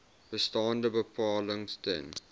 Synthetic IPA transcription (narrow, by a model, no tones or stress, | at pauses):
bəstãːndəbəpʰɑːlə̃ŋstə̰n